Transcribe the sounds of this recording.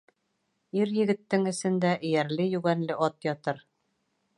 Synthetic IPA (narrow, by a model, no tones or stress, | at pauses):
iɾjɘ̆ɡɘ̆t̪ːɘŋɘ̆sɘ̆nd̪æʔɘ̆jæɾlɘjʉɣænlɘʔɒt̪jɒt̪ɤɾ